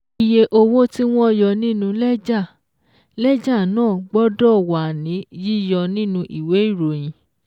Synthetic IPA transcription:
i˨je˧ʔo˧wo˦ti˦w̃ɔ̃˦ɔ˧jɔ˧nĩ˦nũ˧lɛ˦d͡ʒa˦˨ | lɛ˦d͡ʒa˦˨nãː˦˨ɡ͡bɔ˦dɔ˦˨wa˨nĩ˨˦ji˦jɔ˧nĩ˦nũ˧ʔi˨we˨˦i˦˨ɾo˨j̃ĩ˨

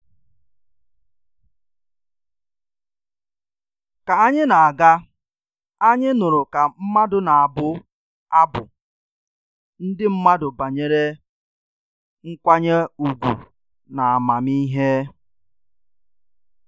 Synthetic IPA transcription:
ka˨a˦ɲɪ˦na˨a˨ɡa˦ | a˦ɲɪ˦nʊ˨ɾʊ˨ka˨m̩˦ma˦dʊ˨na˨a˨bʊ˦ | a˦bʊ̰˨ | n̩˦dɪ˦m̩˦ma˦dʊ˨ba˨ɲe˦ɾe˦ | ŋ̩˦kʷa˦ɲe˦u˨ɡʷṵ˨ | na˨a˨ma˨mi˦ɦe˦

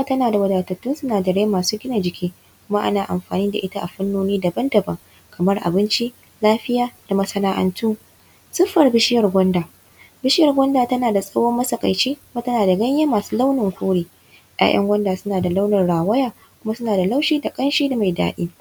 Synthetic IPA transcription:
a˦˨tɐ˦naː˨da˨wɐ˦daː˨tɐ˨tːʊ˦nsʊ˦naː˨d͡ʒɐ˨ɽeː˦maː˨suː˦ɡʲɪ˦na˨d͡ʒɪ˨kʲʰiː˦ | kʷʊ˦ma˦ʔa̰˦naː˨ʔa̰˨mɸa̰ː˨niː˦da̰˨ʔɪ˦ta˦ʔa̰˨ɸɐ˦nːoː˦niː˦dɐ˨bɐ˦ndɐ˨bɐ˨ŋ | kɐ˨mɐ˦rʔa̰˨bɪ˦nt͡ʃi˦ | laː˦ɸɪ˦jaː˦d̥a˨mɐ˦sɐ˦naː˦ʔɐ̰˦ntuː˦ | sʊ˦ɸːɐ˨rbɪ˦ʃɪ˦jɐ˨rɡʷɔ˦ndaː˨ | bɪ˦ʃɪ˦jɐ˨rɡʷɔ˦ndaː˨tɐ˦naː˨da˨sʼɐ˦woː˦mːɐ˦sɐ˨kʼa̰˨jt͡ʃiː˦kʊ˦ma˦tɐ˦naː˨da˨ɡɐ˦ɲjaː˦maː˨su̥ː˦la˦wnɪ˨ŋkʷuː˦ɽiː˨ | jʔa̰ː˦j̰ʔɐ̰˦ŋɡʷɐ˦ndaː˨sʊ˦naː˨da˨la˦wnɐ˨rɽaː˨wɐ˦jaː˨ | kʷʊ˦ma˦sʊ˦naː˨da˨la˦wʃiː˦da˨kʼɐ˦nʃiː˦da˨ma˨jda̰ː˦ɗḭː˦

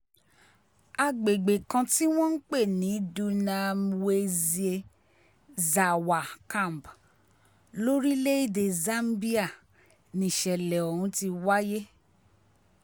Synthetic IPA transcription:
a˧ɡ͡be˨ɡ͡be˨kã˧ti˦w̃ɔ̃˦n̩˦k͡pe˦˨nĩ˨˦du˧nã˧m˨we˦˧zi˨˦e˧ | za˨wa˨kã˦˨m˨b | lo˦ɾi˦le˦i˦˨de˨zã˦m˦bi˦a˦˨ | nĩ˨ʃɛ˨lɛ˨o˨hũ˨˧˦ti˧wa˦je˦

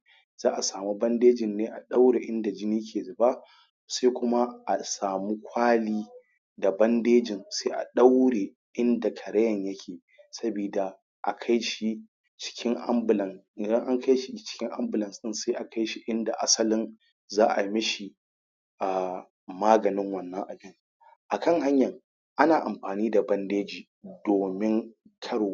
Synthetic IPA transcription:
zaː˦ʔa˨saː˨mu˦bɐ˦ndeː˦d͡ʒɪ˨nːeː˦ʔa˨ɗa˦wɽe˨ʔɪ˦nda˨d͡ʒɪ˦niː˦kʲʰeː˨zʊ˨baː˦ʔ | sa˦kʷʊ˦ma˦ʔa˨saː˨mu˦kʷʰaː˦liː˦ | da˨bɐ˦ndeː˦d͡ʒɪ˨nsa˦ʔa̰˨ɗa˦wɽeː˨ | ʔɪ˦nda˨kʰɐ˨ɾɐ˦jɐ˨ɲjɐ˦kʲʰeː˨ | sɐ˦bi˨da˨ | ʔa˨kʰa˦jʃi˦ | t͡ʃɪ̥˦kʲɪ˦ŋʔa˦mbɪ˨lɐ˨n˨ | dɐ˦ŋʔa˦ŋka˦jʃi˨˦t͡ʃɪ̥˦kʲɪ˦ŋʔa˦mbɪ˨lɐ˨nsɪ˦nsaː˦ʔa˨kʰa˦jʃi˨ʔɪ˦nda˨ʔa˦sɐ˦lɪ˦n | zaː˦ʔa˨mɪ˦ʃi˨ | ʔaː˨ | maː˦ɡɐ˨nɪ˦ŋwɐ˨nːɐ˦ŋʔa˨bɪ˦ŋ | ʔa˨kɐ˦˨ŋɦa˦ɲjɐ˨ŋ | ʔa˦naː˨ʔa˨mɸaː˨niː˦da˨bɐ˦ndeː˦d͡ʒiː˨ | doː˨mɪ˦ŋ | kʰɐ˦ɽoː˨˦

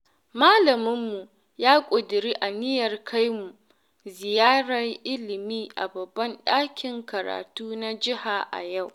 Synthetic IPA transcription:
maː˦lɐ˨mɪ˦mːu˨ | jaː˦kʷʼʊ˨dɪ˨ɾiː˦ʔa˨nɪ˦jɐ˨rkʰa˦jmu˨ | zɪ˨jaː˦ɽɐ˨rʔɪ˦lɪ˨miː˦ʔa̰˨bɐ˨bːɐ˦nɗaː˦kʲɪ˨ŋkɐ˨ɾa̰ː˨tuː˦na˦d͡ʒɪ˦ha˨ʔa̰˨ja˦˨w

